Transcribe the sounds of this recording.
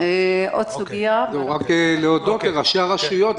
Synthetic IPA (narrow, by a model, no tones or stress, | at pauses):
eʔod̪suɡiauʁakleod̪o̞t̪leʁaʃeaʁaʃujo̞t̪